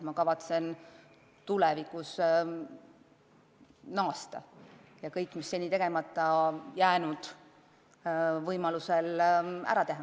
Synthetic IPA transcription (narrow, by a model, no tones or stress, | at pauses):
mɑkɑvɑt̪se̞n | t̪ulɛvikˑus | nɑːst̪ɑ̰ | jɑkɤjkːˑmisːe̞nʲːit̪e̞ɡe̞mɑt̪ˑːɑjæːnud̪̥ | vɤjmɑluselæ̰ɾɑt̪e̞ɦɑ